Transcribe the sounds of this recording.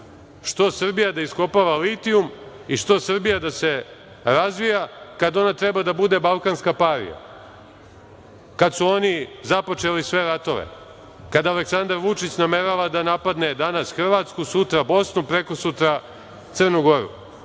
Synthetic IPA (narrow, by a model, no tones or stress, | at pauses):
ʂt̪o̞sr̩bijad̪aisko̞paʋalit̪ium | iʂt̪o̞sr̩bijad̪ase̞ | ɾazʋijakad̪o̞nat̪ɾebad̪abud̪e̞balˠkanskapaɾḭja̰ | kad̪suo̞nizapo̞t͡ʃe̞lisʋe̞ɾat̪o̞ʋḛ | kad̪aːleksand̪aɾʋut͡ʂit͡ɕnameɾaʋad̪anapad̪ne̞d̪anasxr̩ʋaːt̪skusut̪ɾabo̞snupɾe̞ko̞sut̪ɾa | t̪srnuɡo̞ɾṵ